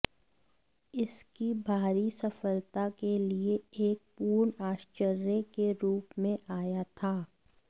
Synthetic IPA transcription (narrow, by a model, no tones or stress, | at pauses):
ɪskibʱaːɾisɐfəlt̪akelieeːk̚puːɾɳaːʃt͡ʃəɾjəkeɾuːpmẽʔaːjat̪ʰaː